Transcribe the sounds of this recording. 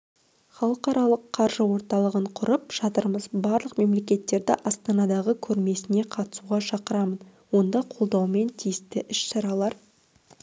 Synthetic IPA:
χɑlˠəqɑɾɑlˠəqʰːɑɾʒəwo̞ɾt̪ɑlˠəʁəɴqʰʊɾəp̚ʒ̥ɑt̪əɾməzbɑɾlˠəqme̞mle̞kʲe̞t̪ːe̞ɾd̪ɪʔɑst̪ɑnɑd̪ɑʁəkʲʰɵɾme̞sɪne̞qʰɑt̪ə̥suʁɑʃɑqəɾɑmən | wo̞nd̪ɑqʰo̞lˠd̪ɑwme̞nt̪ʰijɪst̪ɪʔɪʃsɑɾɑlˠɑɾ

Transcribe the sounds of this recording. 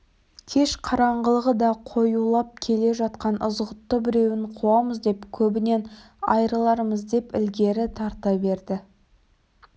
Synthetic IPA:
kʲʰe̞ʃqʰɑɾɑɴʁəlˠəʁəd̪ɑqʰo̞julˠɑp̚kʲʰe̞le̞ʒɑt̪̚qɑnʔʊ̰zʁət̪ːəbɪɾe̞wɪɴqʰuɑməzd̪e̞pkʲʰɵbɪne̞n | ɑ̰jɾəlˠɑɾəməzd̪e̞pɪ̰lɡʲe̞ɾɪt̪ʰɑɾt̪ɑbe̞ɾd̪ɪ

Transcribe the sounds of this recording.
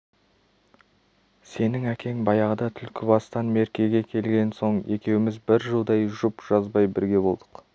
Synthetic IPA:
se̞nɪŋækʲʰe̞ŋbɑjɑʁəd̪ɑt̪ʰʏlkʲʰɪbɑst̪ɑnme̞ɾkʲe̞ɡʲe̞kʲʰe̞lɡʲe̞nso̞ɴe̞kʲe̞wɪmɪzbɪɾʒəlˠd̪ɑjʒʊpʒ̥ɑzbɑjbɪɾɡʲe̞bo̞lˠd̪əq

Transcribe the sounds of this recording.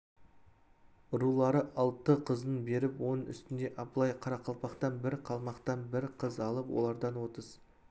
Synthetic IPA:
ɾulˠɑɾəʔɑlˠt̪əqʰəzd̪ənbe̞ɾɪpwo̞nənʏ̰st̪ɪnd̪e̞ʔɑbəlˠɑjqʰɑɾɑqʰɑlˠpɑqt̪ɑnbɪɾqʰɑlˠmɑqt̪ɑnbɪɾqʰəzɑlˠəpwʔo̰lˠɑɾd̪ɑnwo̞t̪əz̥

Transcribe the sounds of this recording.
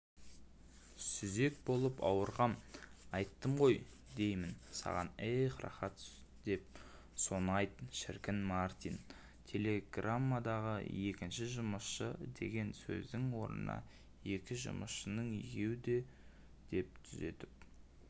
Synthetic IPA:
sʏze̞k̚bo̞lˠəpɑ̰wəɾʁɑmɑjt̪ːəmʁo̞j | d̪e̞jmɪnsɑ̰ʁɑ̰nejqrɑ̰χɑt̪ | d̪̥e̞p̚ | so̞nɑjt̪ʃɪ̰ɾkʲɪnmart̪in | t̪ʲʰe̞le̞ɡramːad̪ɑʁə̰je̞kʲɪnʃɪʒʊməsʃəd̪e̞̰ɡʲe̞nsɵ̰zd̪ɪŋwo̞ɾə̰nɑ̰ | je̞kʲɪʒʊ̰məsʃənəɴiɡʲe̞wɪd̪e̞ | d̪̥e̞p̚t̪ʰʏze̞̰t̪ɪp̚

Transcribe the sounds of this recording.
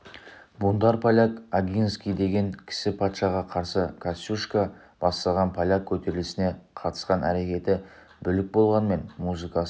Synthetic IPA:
bund̪ɑɾpʰalʲakaɡʲinskʲijd̪e̞ɡʲe̞ŋkʲʰɪ̥sɪpʰɑt̪ʃɑʁɑqʰɑɾsəkʰasʲuʃka | b̥ɑst̪ɑlˠʁɑnpʰalʲakʲʰɵt̪e̞ɾɪlɪsɪne̞qʰɑt̪ə̥sqɑnæ̰ɾe̞kʲe̞t̪ɪ | bʏlɪk̚bo̞lˠʁɑnme̞nmuzɨkɑ

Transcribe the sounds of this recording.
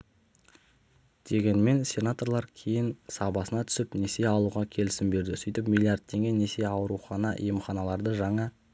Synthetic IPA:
d̪̥e̞ɡʲe̞nme̞nsʲe̞nat̪o̞rlˠɑɾkʲʰe̞jɪnsɑbɑsənɑt̪ʰʏ̥sɪpne̞se̞ɑlˠuʁɑkʲʰe̞lɪsɪmbe̞ɾd̪ɪsijt̪ɪpmʲijlʲˠijard̪̚t̪ʰe̞ŋɡʲene̞se̞ɑwəɾuχɑnɑʔḭjəmχɑnɑlˠɑɾd̪əʒɑɴɑ

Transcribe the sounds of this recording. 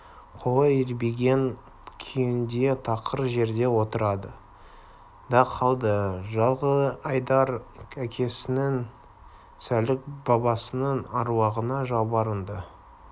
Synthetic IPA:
qʰoʁɑjɪɾbeɡʲe̞n | kʲʰijɪnd̪e̞t̪ʰɑqəɾʒe̞ɾd̪e̞wo̞t̪əɾɑd̪ə | d̪ɑqʰːɑlˠd̪əʒɑlˠʁəɑjd̪ɑɾækʲʰe̞sɪnɪŋ | sælɪk̚bɑbɑsənəŋɑɾwɑʁənɑʒɑwbɑɾənd̪ə

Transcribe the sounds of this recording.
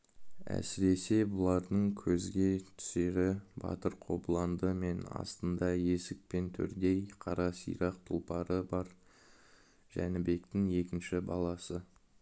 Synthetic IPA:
æ̰sɪɾe̞se̞bʊlˠɑɾd̪əɴkʲʰɵzɡʲe̞t̪ʰʏ̥se̞ɾɪbɑ̰t̪əɾqʰo̞blˠɑnd̪əme̞nɑ̰st̪ənd̪ɑje̞sɪk̚pe̞nt̪ʰʏ̰ɾd̪e̞jqʰɑɾɑsḭjɾɑq̚t̪ʰulˠpɑɾəbɑɾ | ʒ̥æ̰nɪbe̞kt̪ɪŋe̞kʲɪnʃɪbɑlˠɑsə

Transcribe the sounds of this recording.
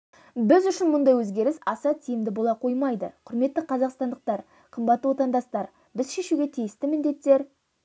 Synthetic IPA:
bɪzʏʃɪnmʊnd̪ɑjwɵzɡʲe̞ɾɪsɑsɑt̪ʰijɪmd̪ɪbo̞lˠɑqʰo̞jmɑjd̪ə̰qʰʊɾme̞t̪ːɪqʰɑzɑqst̪ɑnd̪əq̚t̪ɑɾ | qʰəmbɑt̪ːəwo̞t̪ɑnd̪ɑst̪ɑɾ | bɪzʃe̞ʃuɡʲe̞t̪ʰijɪst̪ɪmɪnd̪e̞t̪ːe̞ɾ

